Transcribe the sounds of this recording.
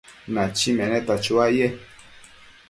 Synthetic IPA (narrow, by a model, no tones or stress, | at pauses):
nãt͡ʃimɛ̃nɛ̃tat͡ʃuajɛ